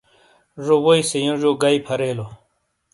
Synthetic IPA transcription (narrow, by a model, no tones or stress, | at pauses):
ʐowoisejõʐoːɡaipʰɐɾeːlo